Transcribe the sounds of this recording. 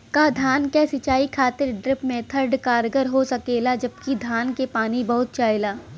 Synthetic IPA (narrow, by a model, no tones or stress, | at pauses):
kad̪ʱaːnkɛsɪt͡ʃaːikʰaːt̪ɪɾɖɾɪpmẽt̪ʰəɾɖkaːɾɡəɾɦosɐkeːlad͡ʒɐbkid̪ʱaːnkepaːnibɐɦʊt̪̚t͡ʃaːɪlaː